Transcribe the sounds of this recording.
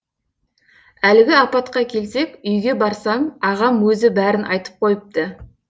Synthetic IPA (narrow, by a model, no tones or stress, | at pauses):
ælɪɡʲɪɑpɑt̪qɑkʲʰe̞lse̞kʲʏjɡʲe̞bɑɾsɑmɑʁɑmwɵzɪbæɾɪnʔɑ̰jt̪ə̥p̚qʰo̞jəp̚t̪ə